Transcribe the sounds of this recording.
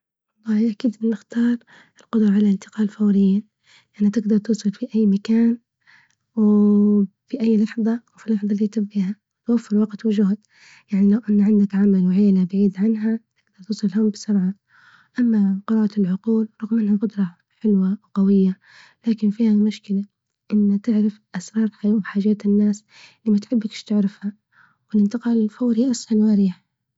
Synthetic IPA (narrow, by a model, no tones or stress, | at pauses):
wɑlˤːɑːhʔakiːd̪ʔɪnːɪxt̪ɑːɾˤ | ʔɪlqʊd̪ɾˤɑʕalaʔɪnt̪ɪ̥qɑːlfawɾɪjːiːn | ʔanhat̪ɪɡd̪ɑɾˤt̪uːsˤɨlfiʔajːmakaːn | w | fiʔajːlɑħðˤɑwfilːɑħðˤɑlːiːt̪ɪbːiːha | wt̪wafːɪɾwɑqt̪wɪd͡ʒʊɦd̪ | jaʕnilawʔanːʕɪnd̪akʕamalwʕeːlabaʕiːd̪ʕanɦat̪ɪɡ̚d̪ɑɾˤt̪ɨsˤɨlɪlɦʊmbɪsɑɾʕa | ʔamːaqɨɾɑːʔalʕʊquːlɾˤɑɣmʔanhaqʊd̪ɾˤɑ | ħɪlwawqɑwɪjːa | laːkɪnfiːhamʊʃkɪla | ʔɪnːat̪ɪʕɾɪfʔasɾˤɑːɾˤħajuħaːʒaːt̪ɪnːaːs | liːmat̪ħɪbːakʃt̪ɪʕɾɪfha | wɪlɪnt̪ɪqɑːlɪlfoːɾhiːʔasħanwaɾiːħ